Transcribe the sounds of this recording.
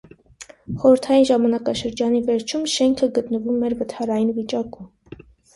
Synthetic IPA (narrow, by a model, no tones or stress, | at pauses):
χɔɾəɾt̪ʰɑjinʒɑmɑnɑkɑʃəɾd͡ʒɑnivɛɾt͡ʃʰumʃɛŋkʰəɡət̪nəvumɛɾvət̪ʰɑɾɑjinvit͡ʃɑkum